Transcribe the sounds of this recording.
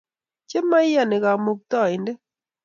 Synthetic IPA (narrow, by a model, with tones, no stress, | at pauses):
t͡ʃe˦ma˦ɪ˦ja˨nɪ˨ka˨mo˨k̚t̪ɔ˦˨ɪ˨nde˦